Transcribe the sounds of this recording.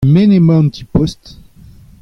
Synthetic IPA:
menemaɛ̃p̚t̪ʰi̥pɔst̪

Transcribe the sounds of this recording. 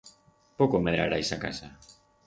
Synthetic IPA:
pokomeðɾaɾajsaka̰sa

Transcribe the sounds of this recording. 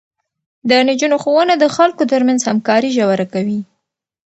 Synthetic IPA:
d̪ənɪd͡ʒunoxowənad̪əxalkot̪əɾmanzhamkɑɾiʒawaɾakawi

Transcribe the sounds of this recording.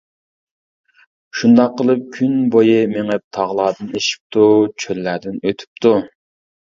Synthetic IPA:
ʃund̪ɑqːəlˠɨp̚kʲʰynbojɨmeŋɛp̚t̪ʰɑʁlˠɑːd̪ɨneʃi̥p̚t̪ʰut͡ʃʰølːæd̪ɪnøt̪ʰy̥p̚t̪ʰu

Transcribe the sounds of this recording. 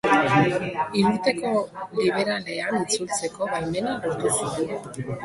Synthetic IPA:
iɾuɾt̪e̞ko̞liβ̞e̞ɾale̞anit͡sult͡se̞ko̞βajme̞nalo̞ɾt̪usun

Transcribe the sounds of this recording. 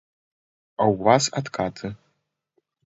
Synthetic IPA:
awːasatkʰʼatʰɨ

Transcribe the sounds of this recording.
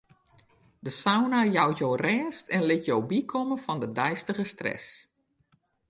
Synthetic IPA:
dəsawnajawjoːrɛːstɛnlɪtjowbikʰɔmənfɔndədɛjstəɣəstrɛ̰s

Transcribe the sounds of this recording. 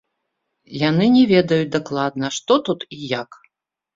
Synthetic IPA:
janɨnʲɛvʲɛd̪ɐjut͡sʲd̪aklˠad̪̚nɐʂt̪ɔt̪ut̪ijak

